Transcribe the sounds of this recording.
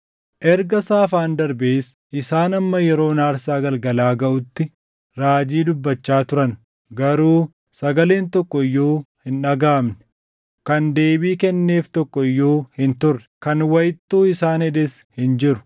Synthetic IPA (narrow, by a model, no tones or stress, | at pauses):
ʔɛɾɡɐsaːfaːnd̪ɐɾbeːs | ʔɪsaːnɐmːɐjɛɾo̞ːnaːɾsaːɡɐlɡɐlaːɡɐʔʊt̪ːɪ | ɾaːd͡ʒiːd̪ʊbːɐt͡ʃːaːt̪ʊɾɐn | ɡɐɾuː | sɐɡɐle̞ːnt̪ɔkːɔɪjːo̞ːhɪnᶑɐɡaːmnɛ̥ | kɐnd̪e̞ːbiːkɛnːe̞ːft̪ɔkːɔɪjːoːhɪnt̪ʊrːɛ̥kɐnwɐjɪt̪ːuːɪsaːnhɛᶑ̪ɛshɪnd͡ʒɪɾʊ̥